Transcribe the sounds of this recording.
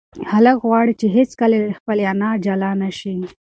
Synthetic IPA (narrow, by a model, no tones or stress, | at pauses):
haləkɣwɑɽit͡ʃeɦet͡skalexpəleanɑd͡ʒalɑnaʃi